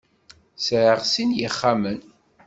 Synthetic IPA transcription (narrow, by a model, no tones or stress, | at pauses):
sʕəʁsinjəχːamən